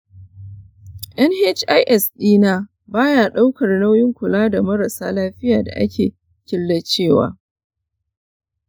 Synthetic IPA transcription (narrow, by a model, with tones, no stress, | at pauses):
ʔɛ˦nhe˦t͡ʃʔa˦jʔɛ˨sɗiː˦naː˦ | baː˦jaː˨ɗa˦wkɐ˨rla˦wjɪ˦ŋkʷʊ˨laː˦da˨mɐ˦ɾa˨saː˦laː˦ɸɪ˦jaː˨da̰˨ʔa̰˦kʲʰḛː˨ | kʲɪ˦lːɐ˦t͡ʃeː˦˨wa̰ː˦